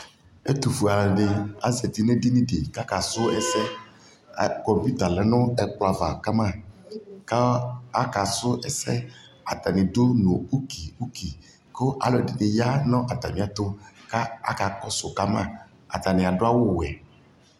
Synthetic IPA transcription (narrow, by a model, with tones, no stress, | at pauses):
e˦t̪u˨fu˨a˨lɛ˨ɖe˨a˨zɛ˨t̪i˨nẽ˦di˦nĩ˦ɖe˨ka˦ka˨sʊ˦ɛ˦sɛ˦˨ | kɔ˨mpu˦t̪a˨lɛ˨nʊ̃˦ɛ˦k͡pla˨va˨ka˦mã˦˨ka˦a˦ka˨sʊ˦ʔɛ˦sɛ˦ | a˨t̪a˨nẽ˨do˦nõ˨u˦ki˨u˦ki˨ | ko˦ʔa̰˨lɔ˨di˨ne˨ja˦nɔ̃˦ʔa˨t̪a̰˨mĩ˨a˨t̪o˦ka˦a̰˦ka˨kɔ˦sʊ˨ka˦mã̰˦ | a̰˨t̪a˨nẽ˨a˨ɖo˦a˦wo˦wɛ˨